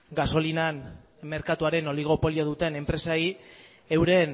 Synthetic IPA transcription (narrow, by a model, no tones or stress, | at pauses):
ɡaso̞linan | me̞ɾkat̪uaɾe̞no̞liɣ̞o̞po̞lioðut̪e̞ne̞mpɾe̞sai | ewɾe̞n